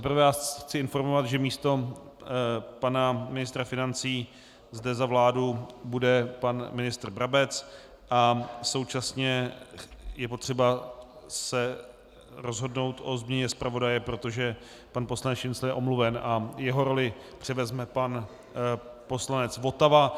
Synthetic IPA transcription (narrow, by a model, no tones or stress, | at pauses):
t̪ɛpr̩vɛjaːxt͡sɪɪnfo̞ɾmo̞vat̪ʒɛmiːst̪o̞ | panamɪnɪst̪ɾafɪnant͡siː | zdɛzavlaːdubudɛpanmɪnɪst̪r̩bɾabɛt͡s | ʔaso̞wt͡ʃasɲɛ | jɛp̬o̞t̪r̝̥ɛbasɛ | ɾo̞zɦo̞dno̞wt̪ʔo̞zmɲɛɲɛspɾavo̞dajɛpɾo̞t̪o̞ʒɛ | panpo̞slanɛt͡sjɪnslɛnɛʔo̞mluvɛnʔajɛɦo̞ɾo̞lɪ | pr̝̥ɪvɛzmɛpan | po̞slanɛt͡svo̞t̪ava